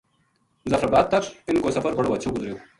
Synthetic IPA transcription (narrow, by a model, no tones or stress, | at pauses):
zɐfɾɐbaːd̪̚t̪ɐkʂinkoːsɐfɐɾbʱɐɽoʋɐt͡ɕʰoːɡuzɾjoː